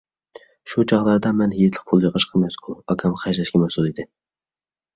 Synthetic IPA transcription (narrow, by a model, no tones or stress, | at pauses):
ʃut͡ʃʰɑʁlˠɑɾd̪ɑmɛniet̪ʰlˠə̥q̚pʰulˠjeqəʃqʰɑmɛskʰʊlˠɑkʲʰɑmqʰɑʃɛʃkʲɛmɛhsulˠid̪ɪ